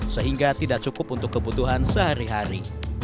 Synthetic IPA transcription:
səɦiŋɡat̪idaʔ̚t͡ʃukʊpunt̪ʊkːəbut̪uɦansəɦaɾiɦaɾi

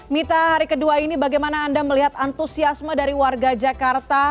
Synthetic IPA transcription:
mit̪aɦaɾikəduainibaɡajmanaːndaməliɦat̪ant̪usiasmədaɾiwarɡad͡ʒakart̪a

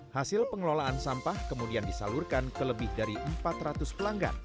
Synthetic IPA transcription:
hasɪlpəŋəlolaʔansampahkəmudiandisa̰lʊrkankələbɪhdaɾiʔəmpat̪rat̪ʊspəlaŋɡa̰n

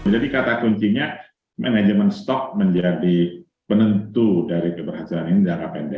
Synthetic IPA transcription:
d͡ʒadikat̪akuɲt͡ʃiɲa | manad͡ʒəmənst̪ɔk̚məɲd͡ʒadi | pənənt̪udaɾikəbərɦat̪ilaninid͡ʒakapɛndɛ

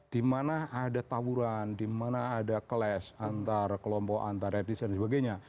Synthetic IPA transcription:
d̥imanaːdat̪auɾandimanaːdakəlɛsant̪arkəlɔmpɔʔa̰nt̪arɛt̪isdansəbaɡajɲa

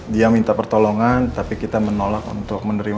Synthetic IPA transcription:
diamint̪apərt̪oloŋant̪apikit̪amənolak̚ṵnt̪ʊk̚mənəɾim

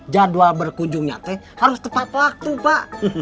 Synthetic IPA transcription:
d͡ʒaduabərkuɲd͡ʒuŋɲa̰t̪ɛ | haɾʊst̪əpat̪ak̚t̪upaʔ

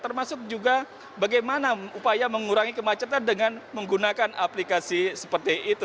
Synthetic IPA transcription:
t̪ərmasʊk̚d͡ʒuɡa | baɡajmanaupajaməŋuɾaŋikəmat͡ʃət̪andəŋanməŋɡunakanʔa̰plikasisəpərt̪iʔːt̪u

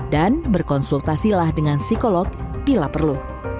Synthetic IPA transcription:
danbərkɔnsult̪asilahdəŋansikolɔk̚b̥ilapərlu

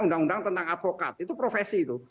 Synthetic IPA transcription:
undaŋundaŋt̪ənt̪aŋat̪̚fokat̪̚it̪upɾofesiːt̪u

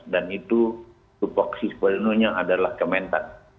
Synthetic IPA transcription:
danit̪u | t̪upɔksispəlnuɲaadalahkəment̪a̰n

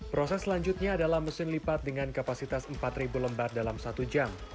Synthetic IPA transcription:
pɾosɛslaɲd͡ʒut̪̚ɲaːdalahməsɪnlipat̪̚dəŋankapasit̪asəmpat̪ribuləmbardalamsat̪ud͡ʒam

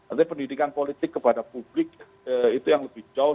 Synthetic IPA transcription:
kart̪aɲapəndidikanpolit̪ɪkːəpadapublɪk | əit̪ujaŋləbɪhd͡ʒaʊ

